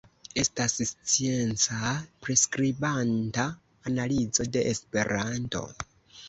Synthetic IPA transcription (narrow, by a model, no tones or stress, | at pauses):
e̞stasst͡sie̞nt͡sapɾe̞skɾibantaː | nalid͡zo̞de̞ʔespe̞ɾanto̞̰